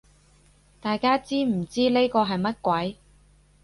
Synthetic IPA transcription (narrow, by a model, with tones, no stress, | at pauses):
t̪aː˨jkaː˥t͡siː˥m̩˨˩t͡siː˥le˥kɔː˧ɦɐ˨jmɐ˥t̚kʷɐ˨˥j